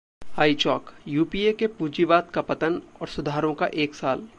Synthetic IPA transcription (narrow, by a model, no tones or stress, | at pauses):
haːit͡ʃɔːkjuːpiekepuːd͡ʒiʋaːt̪kapɐt̪ənɔːɾsʊd̪ʱaːɾõka̰ʔeːksaːl